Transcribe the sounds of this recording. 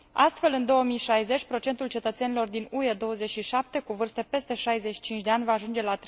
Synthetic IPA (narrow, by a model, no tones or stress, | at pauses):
ast̪fe̞lɨnd̪o̞wəmiʃajze̞t͡ʃʲpɾo̞t͡ʃe̞nt̪ult͡ʃe̞t̪ət̪se̞nilo̞rd̪inue̞d̪o̞wəze̞t͡ʃʃiʃap̚t̪e̞kuvɨrst̪epe̞st̪e̞ʃajzeʃi̥t͡ʃint͡ʃʲd̪eanʲvaːʒund͡ʒe̞lat̪